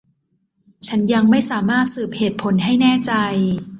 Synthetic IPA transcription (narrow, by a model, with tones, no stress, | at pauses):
t͡ɕʰa˦˥nja˧ŋma˥˩jsaː˩˦maː˥˩t̪̚sɯː˨˩p̚heː˨˩t̪̚pʰo˩˦nɦa˥˩jnɛː˥˩t͡ɕa˧j